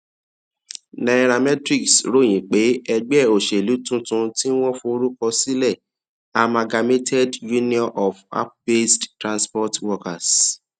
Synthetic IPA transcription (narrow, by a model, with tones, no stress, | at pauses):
nã˨˧ɾa˧mɛ˦tɾi˦˨ksɾo˦˨j̃ĩ˨k͡pe˨˦ɛ˧ɡ͡bɛ˦˨o˨ʃe˨lu˨˦tũ˦tũ˧ti˦w̃ɔ̃˦fo˧o˧ɾu˦kɔ˧si˦lɛ˦˨ | a˧mã˧ɡa˧me˦tʰɛ˦dju˦nĩ˦ɔ̃˦nʔɔ˨fa̰˦p̚be˦sttɾã˧nspɔ˦twɔ˧ka˨s